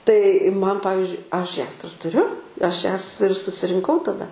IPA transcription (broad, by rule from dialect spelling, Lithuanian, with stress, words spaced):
tɐɪ ˈmɐn ˈpɑːʋʲɪzʲd͡ʒʲʊɪ ˈɐʃ ˈjɛs ɪr tʊˈrʲʊ ˈɐʃ ˈjɛs ɪr sʊsʲɪrʲɪŋˈkɐʊ tɐˈdɐ